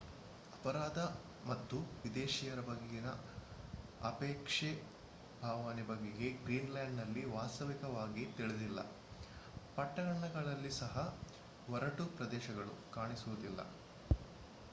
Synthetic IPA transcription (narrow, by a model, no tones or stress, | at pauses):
ɐpɐɾaːd̪ɐ | mɐt̪ːuʋid̪eːʃijɐɾɐbɐɡejinɐ̰ | ɐpeːkʂe | bʱaːʋaːnibɐɡːeɡe̞ɡɾiːnlaːɳɖnɐlːiʋaːst̪ɐʋikɐʋaːɡit̪iɭed̪ilːɐ̰ | pɐʈːɐɡɐɳɐɡɐɭɐlːisɐɦɐ | ʋɔɾɐʈupɾɐd̪ɛːʃɐɡɐɭṵkaːɳisuʋud̪ilːɐ̰